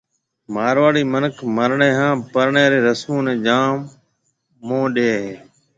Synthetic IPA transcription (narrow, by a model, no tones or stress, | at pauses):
maːɾʋaːɽiːmənəkʰməɾɳeːɦãːpəɾɳeːɾeːɾəsmũːnẽːd͡ʒaːmː | õːɗeːɦeː